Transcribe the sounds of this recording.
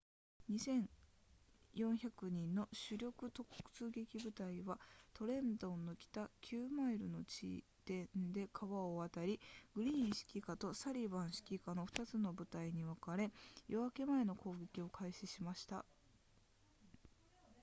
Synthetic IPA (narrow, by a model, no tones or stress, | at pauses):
ɲ̟isẽ̞ɰ | jõ̞ɰ̃çakɯ̟ɲ̟ĩnːo̞ɕɨɾʲo̞kɯ̟t̪o̞kkɯ̟̥t͡sɨːɡe̞kʲibɯ̟t̪aiβat̪o̞ɾẽ̞nd̪o̞nːo̞kʲi̥t̪akʲʰɨːmaiɾɯno̞t͡ɕḭ | t̪ẽ̞nd̪e̞kʰaβaoβat̪aɾʲiɡ̥ɯ̟ɾʲĩːɕi̥kʲikat̪o̞saɾʲibãɰ̃ɕi̥kʲikano̞ɸɯ̥t̪at͡sɨno̞bɯ̟t̪aiɲ̟iβakaɾe̞jo̞βake̞mae̞no̞ko̞ːɡe̞kʲio̞kʰaiɕiɕimaɕi̥t̪a̰